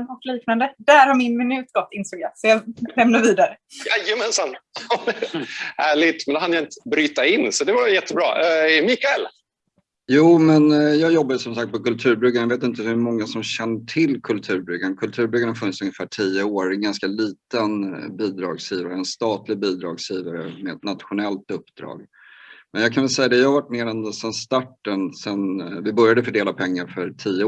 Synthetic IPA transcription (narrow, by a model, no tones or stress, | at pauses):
nɔkliːknand̪əd̪æːɾhaɾmɪnmɪnʉ̟ːt̪ɡ̥ɔt̪ʰːɪnst̪ɔɡasɔjɑlɛmnaɾviːd̪aɾəjajəmɛnsan | hæːɭɪt̪mɛnhanjaɪnt̪ə̥bɾyːt̪aɪnːsɔd̪ɛvaɾjɛt̪ʰːəbɾɑ̰ːɛmɪkaɛl | juːmɛnjɑːɡjɔbːad̪əsɔmsak̚t̪̚pʰɔkɵlt̪ʰʉ̟ːɾbɾʏɡːanjveːt̪ɪnt̪əhɵmɔŋːasɔmɕɛnːəʈʰɪlːkʰɵlt̪ʰʉ̟ːɾbɾʏɡːaɳkʰɵlt̪ʰʉ̟ːɾbʏɡːaɳhaɾfɵnːɪtsɵŋjəfæːʈʰijəoːɾɛnɡanskaliːt̪ənbiːd̪ɾɑ̰ːɡsjiːvaɾəɛnst̪ɑːt̪lɪɡ̚biːd̪ɾɑːɡsjiːvaɾəmɛɛt̪nat̪ɧʊnɛlt̪ɵpːd̪̥ɾɑ̰ːɡ | mɛnjɑkʰanvɛlsɛjːad̪ɛjahavaʈːmeːɾɛnsɛnst̪aʈːənsɛnvɪbœɾjad̪əfœɖeːlapʰɛŋːaɾfœɾʈʰiːə